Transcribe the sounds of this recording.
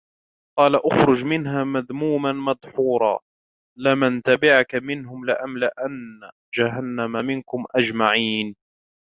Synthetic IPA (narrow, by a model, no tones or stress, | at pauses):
qɑːlaʔʊxɾʊd͡ʒmɪnɦaːmaðmuːmanmɑd̪ˤħuːɾˤɑ̰ː | lɪmant̪abɪʕkamɪnɦʊmlɪʔamlɪʔanːa | d͡ʒaɦanːamamɪnkʊmʔad͡ʒmaʕiːn